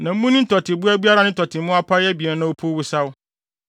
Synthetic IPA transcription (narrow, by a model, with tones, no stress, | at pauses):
nã˨m̩˦mũ˦nɪ̃˦n̩˦tʰɔ˨tʰɪ˨bu˦æ˦bi˦a˦ɾa˦nɪ̃˦n̩˦tʰɔ˨tʰɪ˨˦mʊ̃˦a˦pʰa˦ɛ˦bi˨ɛ˨˦nã˦wo˦pʰo˦wu˦sa˦wʊ˦